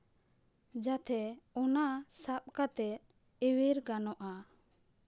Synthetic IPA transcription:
d͡ʒat̪ʰɛɔnasap̚kat̪ɛt̪̚ | eweɾkanɔʔa

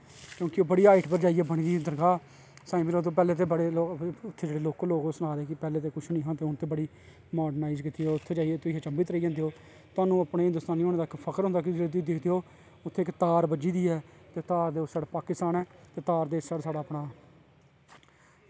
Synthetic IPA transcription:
kjõːkɪoːbəɽiːaːɪʈpəɾd͡ʒaːiɛːbəɽ̃iːd̪iːd̪əɾɡaː | saːiːmɪloːt̪oːpɛːleːt̪̬eːbəɽeloːʊt̪ʰːeːd͡ʒeːɽeːloːkːloːkoːsʊɽ̃aːɾeːkɪpɛːleːt̪̬eːkʊt͡ʃʰnĩːɦãːt̪eːʊnt̪eːbəɽiː | maːɖənaːɪzkit̪iːoːʊt̪ʰːeːd͡ʒaːieːt̪ʊiɦeːt͡ʃəmbiːt̪ɾəiːd͡ʒɛ̃ːnd̪eːɦoː | t̪ʊaːnũːapɽeːɦɪ̃nd̪ʊst̪aːniːoːnẽːd̪aɪkːpʰəkəɾɦʊ̃nd̪aːk̬ɪt̪iːd̪ɪkʰd̪eːɦoː | ʊt̪ʰːeːɪkt̪aːɾbəd͡ʒiːd̪iːɛːt̪eːt̪aːɾd̪eːʊsaːɽpaːkɪst̪aːnɛːt̪eːt̪aːɾd̪eːsaɽsaːɽaːəpɽaː

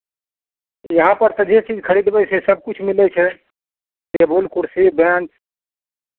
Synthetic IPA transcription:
jəɦãpəɾt̪ə̃d͡ʒet͡ʃid͡ʒkʰəɽid̪bəsesəb̚ʱkut͡ʃʰmilɛt͡ʃʰɛ | t̪ebolkuɾsebant͡ʃ

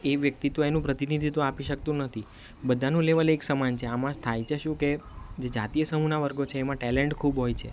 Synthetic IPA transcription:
eʋjək̚t̪it̪õenũpɾət̪inid̪ʱit̪õapiʃək̚t̪ũnət̪ʰi | bəd̪ʱanũleʋaleksəmant͡ʃʰeamãʃt̪ʰajt͡ʃʰeʃũked͡ʒed͡ʒa̰t̪ijəsəmunaʋəɾɡot͡ʃʰeːmãʈɛleɳʈkʰubɦojt͡ʃʰḛ

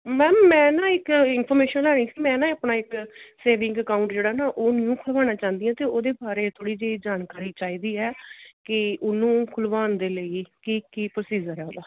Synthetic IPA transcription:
mɛ̃ːmmɛ̃ːnãːɪkɪnpʰɔːɾmeːʃənlɛːɽ̃iːsiːmɛ̃ːnãːəːpɳaːɪkseːʋɪ̃ŋɡəkaːʊ̃ɳʈd͡ʒeːɽaːnaːʔoːnɪjũːkʰʊlʋaːñaːt͡ʃãːnd̪ɪjãːt̪eːoːd̪eːbaːɾeːt̪ʰoːɽiːd͡ʒeːd͡ʒaːnkaːɾiːt͡ʃaːiːd̪iːɛːkɪʊnũːkʰʊlʋaːnd̪eːləiːkikiːpɾəsiːzəɾɛːoːd̪aː

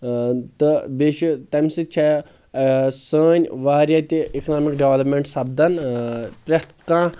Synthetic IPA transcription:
t̪ɨbeːʃut̪ɐmsɨt͡ʃʰa | səːnʲʋaːɾʲjat̪iiknaːmikɖeʋɐlɐpmʲeɳʈsɐbd̪ɐnpɾʲɐt̪ʰkãː

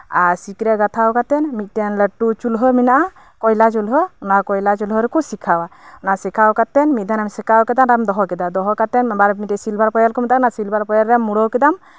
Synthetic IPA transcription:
aɾsikɾɛɡat̪ʰawkat̪ɛnmit̪̚ˀtɛnləʈːut͡ʃulɦɔminaʔa | kɔjlat͡ʃulɦɔunakɔjlat͡ʃulɦɔɾɛkusikʰawaunasɛkʰawkat̪ɛnmit̪̚d̪ʱanamsɛkawkɛd̪anɾamd̪ɔɦɔkɛd̪ad̪ɔɦɔkat̪ɛnbaɾmit̪ɛsilbʱaɾpɔjalkɔmɛt̪anasilbʱaɾpɔjaɾːɛmuɽɔwkɛd̪am

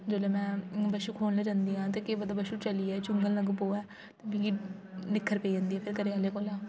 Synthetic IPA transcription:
d͡ʒoːleːmɛ̃ːbəʃuːkʰoːnleːd͡ʒãːnd̪iːɦãːt̪eːkeːbəd̪aːbəʃuːt͡ʃəliːɛːt͡ʃʊŋɡəlnəɡpoːɛː | t̪emĩɡinɪkʰːəɾpeiːd͡ʒãːnd̪iːɛːpʰɪɾkəɾeːəleːkoːlãː

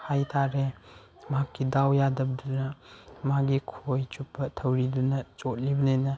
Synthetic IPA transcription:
hajtʰaɾe | makːidawjadɐbdunɐmaɡikʰojt͡ʃupːɐtʰɐwɾidunɐt͡ʃot̚libɐnenɐ

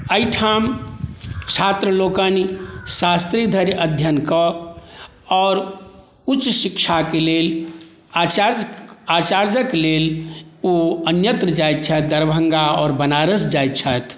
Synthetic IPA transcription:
əiʈʰam | t͡ʃʰat̪ɾəlokənisast̪ɾid̪ʱəɾjəd̪ʱjənkə | ɔːɾ | ut͡ʃːsikt͡ʃʰakelel | at͡ʃaɾd͡ʒəkeleloənjət̪ɾəd͡ʒajt̪̚t͡ʃʰət̪̚d̪əɾbʱəŋɡaɔːɾbənaɾəsd͡ʒajt̪̚t͡ʃʰɛt̪ʰ

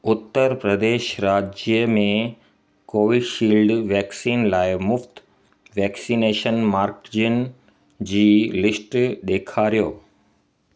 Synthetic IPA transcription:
ʊt̪ːəɾpɾəd̪eːʃɾaːd͡ʑjəmẽ | koːʋɪɖʃiːlɖʋɛːksiːnlaːɪmʊft̪ | ʋɛːksiːneːʃənmaːɾkd͡ʑən | d͡ʑiːlɪsʈɗ̪eːkʰaːɾijoː

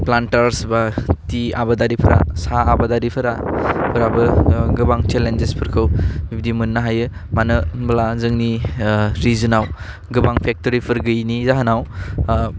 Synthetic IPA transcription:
plantaɾsbatiabadaɾipʰɯɾa̰saːbadaɾipʰɯɾa̰pʰɯɾabɯɡɯbaŋt͡ʃelend͡ʒespʰɯɾkʰɯwbib̚dimɯnːaɦajɯ | manɯbɐlazɯŋni | ɾizɯnaw | ɡɯbaŋpʰek̚toɾipʰɯɾɡɯjnizaɦɯnaw

